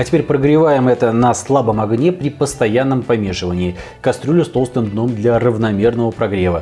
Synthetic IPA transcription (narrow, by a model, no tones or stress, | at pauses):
ɐtʲɪpʲeɾʲpɾəɡɾʲɪvajɪmɛt̪ənɐslˠabəmɐɡnʲepɾʲɪpəst̪ɐjanːəmpɐmʲe̞ʂɨvənʲɪː | kɐst̪ɾʲulʲʊst̪ost̪ɨmd̪no̞md̪lʲɐrəvnɐmʲe̞rnəvəpɾɐɡɾʲe̞və